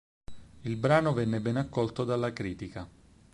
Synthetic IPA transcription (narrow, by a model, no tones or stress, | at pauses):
ilbɾaːnovɛnːebɛnakːɔlt̪od̪alːakɾiːt̪ika